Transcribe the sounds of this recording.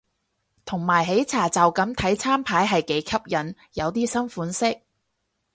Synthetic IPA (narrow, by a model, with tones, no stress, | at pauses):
t̪ʰʊ˨˩ŋmaː˨˩jɦe˨˥jt͡sʰaː˨˩t͡sɐ˨wkɐ˨˥mt̪ʰɐ˨˥jt͡sʰaː˥mpʰaː˨˥jɦɐ˨jke˨˥jkʰɐ˥p̚jɐ˨˥n | jɐ˨˧wt̪iː˥sɐ˥nfuː˨˥nsɪ˥k̚